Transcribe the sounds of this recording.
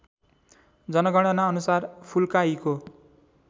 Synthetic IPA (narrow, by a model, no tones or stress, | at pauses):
d͡zʌnʌɡʌɽ̃ʌnaʌnusarpʰulkaiko